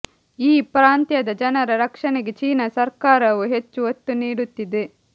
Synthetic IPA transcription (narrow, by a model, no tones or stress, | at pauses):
iːpɾaːnt̪jɐd̪ɐd͡ʒɐnɐɾɐɾɐkʂɐneɡet͡ʃiːnɐsɐɾkaːɾɐʋuɦe̞t͡ʃːuot̪ːuniːɽut̪ːid̪e